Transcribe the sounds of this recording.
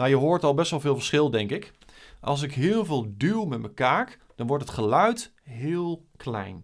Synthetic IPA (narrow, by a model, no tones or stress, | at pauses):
ajəɦoːɹtɑlˠbɛstʋɑlˠvɪːlˠvəɹsχɪlˠdɛŋkɪk | ʔɑ̰lˠs̬ɪkɦɪːlˠvɪːlˠdylˠmɛt̚məkaːk | d̥ɑnʋɔɹtɦətχəlœɥt | ɦɪːlˠ | kʰlɛ̰jn